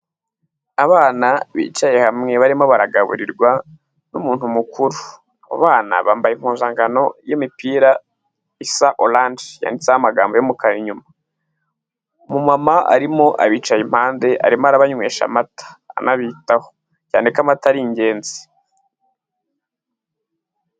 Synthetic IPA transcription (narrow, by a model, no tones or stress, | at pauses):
aβaːnaβḭːt͡ʃaje̞hamŋe̞βaɾimo̞βaɾaɡaβṵɾiɾɡwa | numuːnhumukʰuɾu | aβo̰βaːna̰βaːmbajim̥huːnzaːŋɡano̞jimipiːɾa | isaʔolandja̰ːndit͡sehamaɡaːmbojomukaɾiɲuma | mumamaʔa̰ɾimo̞ʔa̰βiːt͡ʃajim̥haːnde̞ʔa̰ɾimaɾaβaɲweːʃa̰matḁ̰ːnaβiːtaho̥ | ca̰ːnekamataɾiɲɟe̞ːnze̥